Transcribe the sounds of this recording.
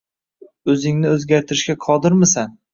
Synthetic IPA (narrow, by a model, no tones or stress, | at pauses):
ɵzɪŋnɪɵzɡʲaɾt̪ʰɪɾɪʃkʲaqʰɒd̪ɪɾmɪsan